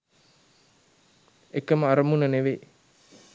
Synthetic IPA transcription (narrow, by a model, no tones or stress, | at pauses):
ekːɐməaɾɐmunɐneʋe